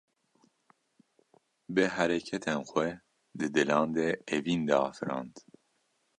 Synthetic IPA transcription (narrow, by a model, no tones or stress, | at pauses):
bɨɦæɾɛkʰɛt̪ʰɛnxwɛ | d̪ɨd̪ɨlɑːnd̪eevind̪ɛɑ̰ːfɾɑ̰ːnd̪